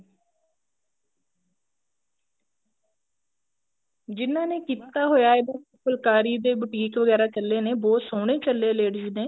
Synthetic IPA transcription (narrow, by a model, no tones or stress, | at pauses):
d͡ʒɪnːãːneːkiːt̪aːɦoːjaːeba | pəlkaːɾiːd̪eːbʊʈiːkʋəɡɛːɾaːt͡ʃəlːeːneːboːt̪soːɽ̃eːt͡ʃəlːeːleːɽɪd͡ʒneː